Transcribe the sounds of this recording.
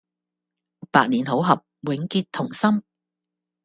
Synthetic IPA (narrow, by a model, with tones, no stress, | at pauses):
paː˧k̚niː˨˩nɦo˨˥wɦɐ˨p̚wɪ˨˥ŋkiː˧t̪ʰːʊ˨˩ŋsɐ˥m